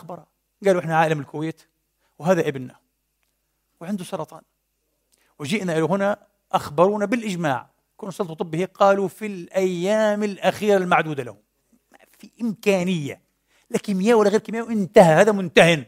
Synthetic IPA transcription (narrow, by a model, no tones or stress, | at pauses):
xbɑɾˤɑ | ɡaːluʔɪħnaʕaːlamɪlkʊweːt̪ | wɦaːðaʔɪbnːa | wɪʕɪnd̪usˤɑɾˤɑt̪ˤɑ̰ːn | wɪd͡ʒɪʔnaʔɪluɦɪna | ʔaxbɑɾˤuːnabɪlʔɪd͡ʒma̰ːʕ | kuːnusˤɑlt̪ˤut̪ˤɨbːɪhiqɑːlufilʔajːaːmɪlʔaxiːɾalmaʕd̪uːd̪alahʊm | mafiʔɪmkaːnɪjːa̰ | lakɪmɪjaːwalːaɣeːɾkimjawʔɪnt̪ahahaːðamʊnt̪ahɪn